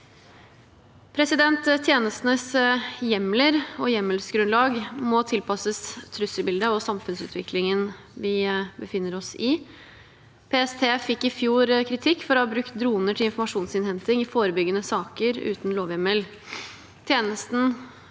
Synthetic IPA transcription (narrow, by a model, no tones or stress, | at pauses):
pʰɾɛsɪd̪ɛnt̪t̪ʰjeːnəst̪nəsjɛmləɾɔjɛmːəlsɡɾʉnlɑːɡmɔt̪ʰɪlpʰɑsəst̪ʰːɾʉsəlbɪld̪əɔsɑmfʉnsʉ̰ːt̪ʰʋɪklɪŋən | ʋɪbəfɪnːəɾɔsɪ | pʰeːɛst̪ʰeːfɪkːɪfjuːɾkʰɾɪt̪ʰɪkːfɔɾɔhɑːbɾʉkt̪̚d̪ɾuːnəʈʰɪlɪnfɔɾmɑʂuːnsɪnhɛnt̪ɪŋɪfoːɾəbʏɡːənəsɑːkəɾʉ̰ːt̪n̩loːʋjɛməl | t̪ʰjeːnəst̪n̩